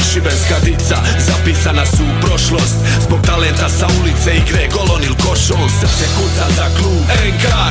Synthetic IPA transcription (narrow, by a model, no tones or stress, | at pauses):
ʒibenskad̪it̪sa | zapiːsanasupɾo̞ʃlo̞ːst̪ | zbo̞ɡ̚t̪alent̪asaulit̪seiɡɾeɡo̞lonilkoʃos̩t̪ekut̪azakluːbeŋka